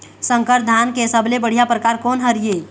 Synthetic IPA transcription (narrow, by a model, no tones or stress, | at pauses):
sə̃ŋkəɾd̪ʱaːnkesəblebəɽ̤ijapɾəkaːɾkɔːnɦəɾijeː